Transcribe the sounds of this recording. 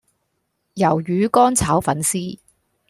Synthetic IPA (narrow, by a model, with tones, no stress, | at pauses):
jɐ˨˩wjyː˨˥kɔː˥nt͡sʰaː˨˥wfɐ˨˥nsiː˥